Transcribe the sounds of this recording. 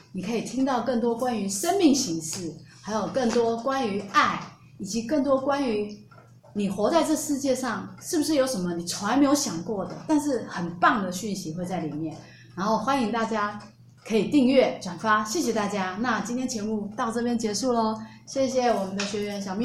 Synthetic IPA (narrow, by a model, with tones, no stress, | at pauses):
ni˨˩kʰɤ˧˥i˨˩t̪ʰi˥ŋt̪ɑ˥˧ʊkɤ˥˩ŋt̪wɔ˥kwa˥ny˧˥ʂə˥nmi˥˩ŋɕi˧˥ŋʂɻ̩˥˩xa˧˥ɪjo˨˩ʊkɤ˥˩ŋt̪wɔ˥kwa˥ny˧˥a˥˩ɪ | i˨˩t͡ɕi˧˥kə˥˩ŋt̪wɔ˥kwa˥ny˧˥ | ni˨˩xwɔ˧˥t͡sa˥˧ɪʈ͡ʂɤ˥˩ɡəʂɻ̩˥˧t͡ɕjɛ˥˧ʂɑ˥˩ŋʂɻ̩˥˩bu˩ʂɻ̩˥˩jo˧˥ʊʂə˧˥mə˧ni˨˩t͡sʰwa˧˥n˥˧nme˧˥jo˧˥ʊɕjɑ˨˩ŋkwɔ˥˩d̪ə̰˩t̪a˥˧nʂ̬ɻ̩˥˩xə˨˩npɑ˥˩ŋd̪ə˩ɕy˥˩nɕi˧˥xwe˥˧ɪt͡sa˥˩ɪli˨˩mjɛ˥˩n | ɻa˧˥nxo˥˩ʊxwa˥ni˧˥ŋt̪a˥˩t͡ɕja˥ | kʰɤ˧˥i˨˩t̪i˥˧ŋɥɛ˥˩ʈ͡ʂwa˨˩nfa˥ɕjɛ˥˩ɕ̬jɛ˨˩t̪a˥˩t͡ɕja˥na˥˧t͡ɕi˥nt̪ʰjɛ˥nt͡ɕʰjɛ˧˥mu˥˧t̪ɑ˥˧ʊʈ͡ʂɤ˥˩p̬jɛ˥nt͡ɕjɛ˧˥ʂu˥˩lə˩ | ɕjɛ˥˩ɕ̬jɛ˨˩wɔ˨˩mə˨˦nd̪ə˧ɕɥɛ˧˥ɥɛ˧˥nɕjɑ˨˩ŋmi˥